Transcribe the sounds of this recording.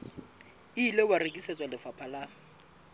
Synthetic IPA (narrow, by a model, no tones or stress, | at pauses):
iːlebarekʼisɛt͡sʼalɪfapʰala